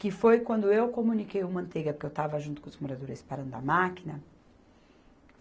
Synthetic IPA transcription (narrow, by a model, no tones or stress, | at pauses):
kɪfojkwɐ̃nd̪ʊewkomũnikejumɐ̃nt̪eɡɐpoɾkewt̪avɐʒũt̪ʊ̥kõʊzmoɾad̪oɾɪspaɾɐ̃nd̪ʊɐmakinɐ